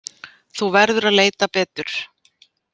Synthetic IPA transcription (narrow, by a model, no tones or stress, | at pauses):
θuvɛɾðʏɾaðleːjt̪apɛːt̪ʏɾ̥